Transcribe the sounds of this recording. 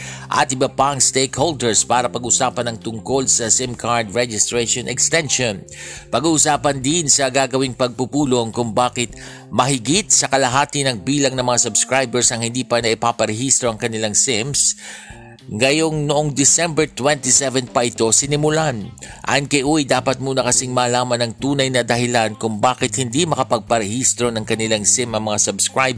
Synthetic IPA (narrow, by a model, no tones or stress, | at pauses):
ʔɐ̰t̪ʔɪbɐpaŋst̪ejkhold̪ɛɹspaːɾɐpɐɡʊsaːpɐnɐŋt̪ʊŋko̞lsɐsɪmkʰaɹd̪ɹɛd͡ʒɪst̪ɾeʃonɛkst̪ɛnʃon | pɐɡuːʔʊsaːpɐnd̪ɪnsɐɡaːɡɐwiŋpɐɡ̚pʊpuːlo̞ŋkʊŋbaːkɪt̪̚ | mɐɦɪɡit̪̚sɐkɐlɐɦaːt̪ɪnɐŋbiːlɐŋnɐŋmɐŋasʊbskɹajbɛɹsɐŋhɪnd̪iːpɐnɐʔɪpaːpɐɾɛhist̪ɾoʔɐŋkɐnɪlaŋsɪms | ŋɐjo̞ŋnoʔoŋd̪ɪsɛmbɛɹt̪wɛnt̪isɛvɛnpɐʔɪt̪o̞sɪnɪmʊlanʔa̰nkɐjʔujd̪aːpɐt̪̚muːnɐkɐsɪŋmaːlaːmɐnɐŋt̪uːnɐjnɐd̪ɐɦɪlankʊŋbaːkɪt̪̚hɪnd̪imɐkɐpɐɡ̚pɐɾɛhist̪ɾo̞nɐŋkɐnɪlaŋsɪmʔɐŋmɐŋasɐbskɹaj